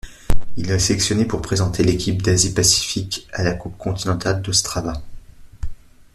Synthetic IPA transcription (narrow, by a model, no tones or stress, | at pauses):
ilɛseɛksjɔnepuʁpχezɑ̃t̪elekʲip̚d̪azipasi̥fikʲalakup̚kɔ̃t̪inɑ̃t̪ald̪ɔst̪χava